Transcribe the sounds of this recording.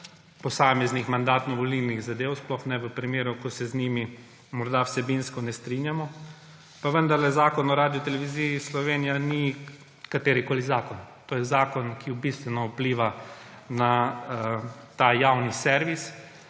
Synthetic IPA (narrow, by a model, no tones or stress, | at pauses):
pɔsaːmɛznixmand̪aːt̪nɔʋɔlilniɣzad̪eːwsplɔxnɛʋəpɾimeːɾukɔsɛznimi | mɔɾd̪awsɛbinskɔnɛst̪ɾinjamɔ | paʋənd̪aɾlɛzaːkɔnɔɾaːd̪ijɔt̪ɛlɛʋizijislɔʋeːnijani | kat̪eːɾikoːlizaːkɔnt̪oːjɛzaːkɔnkiʊbist̪ʋɛnɔwpliːʋa | na | t̪ajawnisɛɾʋis